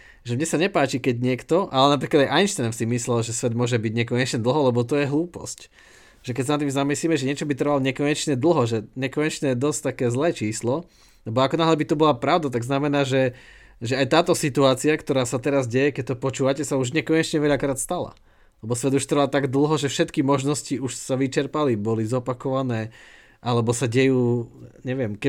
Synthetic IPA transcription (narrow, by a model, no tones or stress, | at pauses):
ʒɛmɲɛsaɲɛpaːt͡ʃikɛɟɲɪɛkt̪ɔʔalɛnap̬ɾiːklad̪ajʔajnʃt̪ɛmsimislɛlʒɛsʋɛd̪mʊɔʒɛbiɟɲɛkɔɲɛt͡ʃɲɛd̪l̩ˠɦɔlɛbɔt̪ɔjɛɦluːpɔ̰sc | ʒ̥ɛk̬ɛcsanat̪̬ːimzamisliːmɛʒɛɲɪɛt͡ʃɔbit̪r̩ʋalɔɲɛkɔɲɛt͡ʃɲɛd̪l̩ˠɦɔʒɛɲɛkɔɲɛt͡ʃɲɛjɛd̪ɔst̪ːakɛːzlɛːt͡ʃiːslɔ | lɛbɔakɔnaɦlɛbit̪ubɔlapɾaʊd̪at̪aɡznamɛnaːʒɛ | ʒɛajt̪aːt̪ɔsit̪uaːt͡siakt̪ɔɾaːsat̪ɛɾazɟɛjɛkɛc̚t̪ɔpɔt͡ʃuːʋacɛsauʒɲɛkɔɲɛt͡ʃɲɛʋɛʎakɾaːt̪st̪ala̰ | lɛbɔsʋɛd̪uʃt̪rʋat̪aɡd̪l̩ˠɦɔʒɛfʃɛt̪kimɔʒnɔsciuʃsaʋit͡ʃɛɾpalibɔlizɔpakɔʋanɛː | ʔalɛbɔsaɟɛjuːɲɛʋɪɛmkɛ